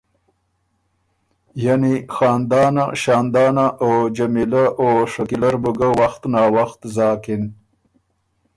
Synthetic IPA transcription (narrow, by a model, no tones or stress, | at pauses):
janixɑːnd̪ɑːnaʃɑːnd̪ɑːnaʔod͡ʒamilaʔoʂakilaɾbuɡawaxt̪nɑːwaxt̪zɑːkɪn